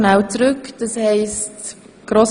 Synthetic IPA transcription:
nɛwt͡sɾʏkd̥ɑshɛɪst | ɡ̥ɾoːs

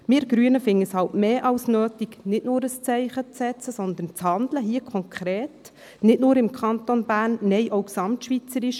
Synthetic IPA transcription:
mɪːɾɡ̥ɾyənəfɪŋːəshɑltmeːʔɑlsnøːtiɡnɪtnʊːɾəst͡sɛɪχət͡sːɛt͡səsɔnd̪ən̩t͡shɑnd̪ləɦiːəkʰɔŋkʰχɾeːt | nɪtnʊːɾɪmkʰɑnt̪onbæːɾnːɛɪʔoʊksɑmtʃʋit͡səɾɪʃ

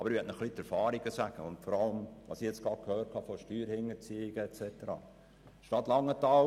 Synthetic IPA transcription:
ɑb̥əɾiɛtnəχlitɛɾfɑːɾiɡəsæɡ̥əʊntfɔɾɑləmʋɑ̰siɛt͡sɡ̥ɑtkʰhœːɾt̚khɑfɔʃtyːɾhɪŋət͡siɪɡ̥əɛt͡sɛtəɾɑ̰ː | ʃtɑt̪lɑŋːətɑl

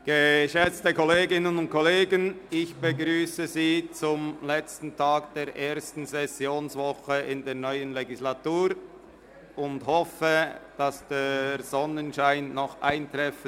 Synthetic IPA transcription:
ɡ̥əʃɛt͡stəkɔleːɡɪnənʊnt̚kʰɔleːɡənɪçb̥əɡʁyːsəziːt͡sʊmlɛt͡stn̩tʰaːɡd̥eːɾʔeːɐstn̩sɛsjoːnsvɔχəʔɪndeːʁnɔʏənleɡislatuːɾ | ʊndhɔfəd̥asd̥eːz̥ɔnənʃaɪnːɔχʔaɪntʁɛfə

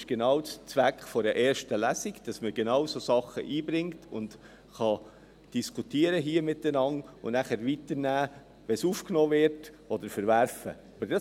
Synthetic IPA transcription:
ɪʃɡ̥enɑʊt͡st͡sʋækχfɔɾəʔɛːɾʃtəlæsiɡd̥ɑsməɡ̥enɑwsoːsɑχə̰ʔiːbɾɪŋtʊnd̥ | χɑ | d̥iskʰutiːəɾəɦiːəmɪtənɑnʊ̰nnæχæɾʋitəɾnæː | ʋɛsuːfknoːvɪɾt | ɔd̪əɾfəɾvæɾfə̰ | ɑb̥əɾd̥ɑ

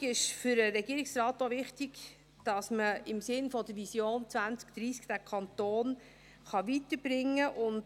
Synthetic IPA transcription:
ɪʃfʏɾəɾɛɡ̥iːɾɪksrɑːtːovɪχtiɡ | d̥ɑsməɪmsɪnfɔd̥əɾvisjoːnt͡svænt͡skd̪̥ɾiːskd̥ækʰɑnt̪oːn | χɑvitəb̥ɾɪŋːəʔʊnd

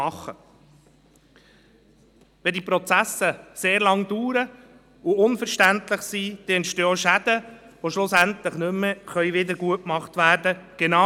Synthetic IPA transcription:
ɑχːə | ʋɛd̪iːpɾɔt͡sæsəseːɾlɑŋd̪uːɾə | uʊnfəɾʃtænt̪ləχsiːd̪̥eɛntʃtøːʃæd̥̪ə | ʋoʃlʊsænt̪ləχnʏmːəχœʏʋɪd̪əɾɡuətkmɑχt̪ʋæːɾdəɡ̥enɑ

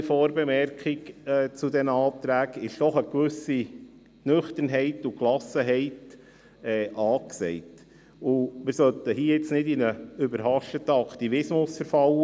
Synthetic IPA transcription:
foːɾbɛmɛɾkχikɛːt͡sud̪ɛnəɑːt̪ɾæːkɪʃd̥ɔχəkʋʏsi | nʏχt̪ənɦɛɪtuklɑsəɦɛɪt | ɛːʔɑːksɛɪt | ʊmɪɾsœlt̪əhiːjɪt͡snɪdinəʏbəɾhɑʃtətəɑkt̪ivɪsmʊsfəɾfɑl

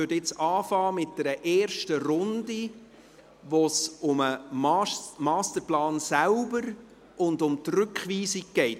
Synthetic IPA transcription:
ødɪt͡sɑːfɑːmɪt̚d̥ɛɾəʔɛːrʃtəɾʊndi | ʋosʊməmːmɑːstəɾplɑːnsælbəɾ | ʔʊndʊmtrʏkχʋiːsik̚ɡɛɪt

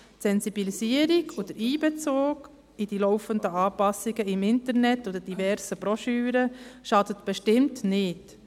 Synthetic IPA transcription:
tsɛnsibilisiəɾiɡʰod̪əɾiːbɛt͡soːk | id̥ilɔwfəndəɑːpɑsːiɡəɪmɪntəɾnɛtːod̥̪əd̥ivɛɾsəb̥ɾoʃyːɾəʃɑdətb̥ɛʃtɪmtnɪt

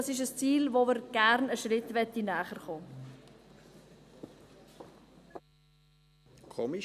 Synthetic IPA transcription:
sɪʃəst͡siːlvoməɾɡ̥æɾnəʃrɪtʋɛt̪inæːχəɾχoː | kʰɔmi

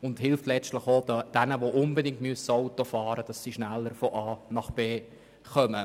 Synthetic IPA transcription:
ʊnthɪlftlɛt͡stləχod̥ænəʋoʔʊnbədɪŋtmyəsəɔʊtofɑːɾəd̥ɑsːiʃnælːəɾfɔʔɑːnɑχb̥eː | χœmə

